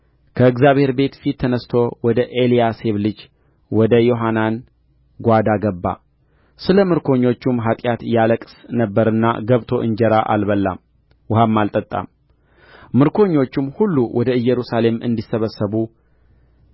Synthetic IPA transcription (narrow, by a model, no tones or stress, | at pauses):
kʰəɨɡzaβhe̞ɾbe̞t̪fit̪ʰːənəst̪ʰo̞wɔd̪əʔelijase̞βlɨd͡ʒ | wɔd̪əjo̞ɦanan | ɡʷad̪aɡəbːa̰ | sɨləmɨɾkʰo̞ɲːo̞t͡ʃːumɦat̪ʼjat̪jaləkʼsnəbːəɾɨnːa̰ɡəβt̪ʰo̞ʔɨɲd͡ʒɛɾaʔa̰lβəlːa̰m | whamːalt̪ʼət̪ʼːa̰m | mɨɾkʰo̞ɲːo̞t͡ʃːumhulːuwɔd̪əɨjːɛɾusale̞mɨ̰nd̪isːəβəsəβu